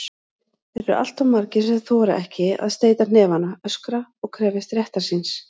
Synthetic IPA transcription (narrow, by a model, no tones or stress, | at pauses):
ɛɾʏɾa̰l̥t̪awmaɾcɪsɛðθɔːɾa̰ʔɛhcɪa̰ðst̪eːjt̪anɛːvanaœskɾaɔɣkʰɾɛːvɪst̪ɾjɛht̪aɾ̥sins